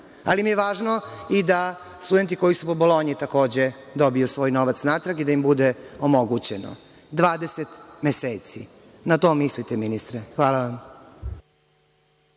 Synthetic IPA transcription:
a̰limijeʋaːʒnoid̪a | st̪ud̪ent̪iko̞jisupo̞bolo̞ɲit̪ako̞ːd͡ʑe | d̪o̞bijusʋo̞ːjnoʋat̪snaːt̪ɾaɡid̪aimbud̪eomo̞ɡut͡ɕeno̰ | d̪ʋaːd̪eset̪meseːt̪sḭ | nat̪o̞ːmislit̪eminist̪ɾexʋaːlaʋam

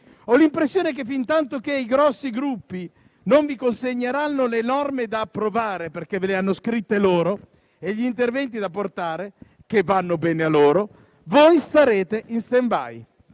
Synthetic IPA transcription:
ɔlimpɾesːjoːnek̟efːint̪ant̪ok̟eiɡɾɔsːiɡɾupːi | noɱvikonseɲːeɾanːolenɔrmed̪aːpːɾovaːɾeperk̟eveleanːoskɾit̪ːeloːɾo | eʎːiːnt̪ervɛnt̪̬id̪apːort̪aːɾe | k̟evːanːobɛːnealːoːɾo | vojst̪aɾeːt̪eʔinst̪emba̰j

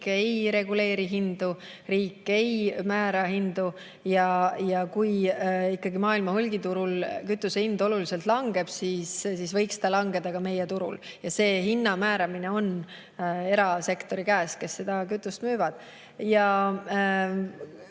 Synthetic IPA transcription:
kejɾe̞ɡ̥ule̞ːɾiɦind̪̥u | riːkːˑe̞jmæːɾɑɦind̪̥u | jɑjɑkujikːɑɡimɑːilmɑhulɡit̪uɾulkyt̪ːˑusehind̪o̞lulise̞lt̪ˑlɑŋɡ̥e̞b̥siːssisvɤ̞jksd̪ɑlɑŋɡe̞d̪̥ɑkɑme̞jet̪uɾṵljɑse̞ːɦinːɑmæːɾɑmine̞o̞n | e̞ɾɑse̞kt̪o̞ɾikæːske̞sːe̞d̪̥ɑkyt̪ːˑust̪myːvɑd̪̥ | jɑ

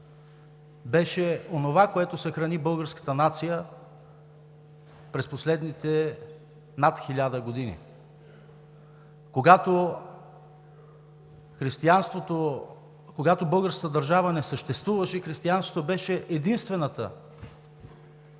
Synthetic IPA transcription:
bɛʃɛonovakoɛt̪osɐxɾɐnibɤlˠɡəɾskə̥t̪ənat̪sijə | pɾɛsposlɛd̪nit̪ɛ | nat̪xilʲad̪əɡod̪inḭ | koɡat̪o | xɾist̪ianst̪vot̪o | koɡat̪obɤlˠɡəɾskə̥t̪əd̪ɐɾʒavənɛsəʃt̪ɛst̪vuvəʃɛxɾist̪iansvot̪obɛʃɛʔɛd̪inst̪vɛnət̪ə̰

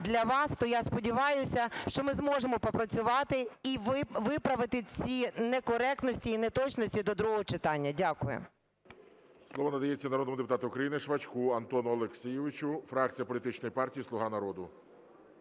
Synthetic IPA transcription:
d̪lʲɐʋɑst̪ɔjaspɔdʲiʋɑjʊsʲɐʃt͡ʃɔmɪzmɔʒemɔpɔpɾɐt͡sʲʊʋɑt̪ɪiʋʋɪpɾɐʋɪt̪ɪt͡sʲinɛkɔɾɛk̚t̪nɔsʲtʲiːnɛt̪ɔt͡ʃnɔsʲtʲid̪ɔd̪ɾuɦɔɦɔt͡ʃɪt̪ɑnʲːɐdʲakʊjʊ̰ | slˠɔʋɔnɐd̪ɐjet͡sʲːɐnɾɔd̪nɔmʊd̪epʊt̪ɑt̪ʊʊkɾɐjinɪʃʋɐt͡ʃkuɐnt̪ɔnʊɔlˠeksʲijɪʋɪt͡ʃʊfɾɑk̚t͡sʲijɐpɔlʲit̪ɪt͡ʃnɔjipɑrtʲijislˠʊɦɑnɐɾɔd̪ʊ

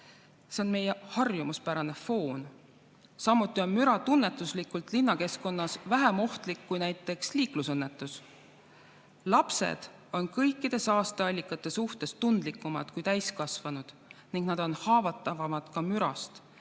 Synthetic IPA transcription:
se̞o̞nme̞jehɑrjumuspæɾɑne̞fo̞ːn | sɑmːut̪ːˑio̞nmyɾɑt̪unːe̞t̪ːˑuslikːˑult̪ˑlinːɑke̞sko̞nːɑsvæɦemo̞ht̪likːujnæjt̪ːˑe̞ksliːklusɤnːe̞t̪ːˑus | lɑpse̞̰d̪̥ | o̞nkɤ̞jkːˑid̪̥e̞sɑːst̪eɑlʲːikːˑɑt̪ːˑe̞suht̪e̞st̪und̪̥likːˑumɑ̰d̪̥kujt̪æjskɑsvɑnud̪̥ | niŋɡ̥nɑd̪̥o̞nhɑːvɑt̪ːˑɑvɑmɑd̪̥kɑmyɾɑ̰st̪

